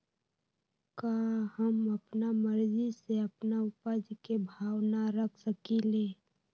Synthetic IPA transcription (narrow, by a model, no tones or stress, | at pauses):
kahəməpnaməɾziseəpnaʊpəd͡ʒkebʱaːwnaɾəkʰsəkileː